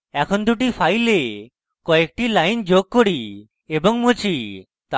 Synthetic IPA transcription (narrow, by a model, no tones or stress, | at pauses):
ɛkʰond̪uʈ̬ipʰajle | kɔek̚ʈilajnd͡ʑoɡ̚koɽi | ebɔŋmut͡ɕi | t̪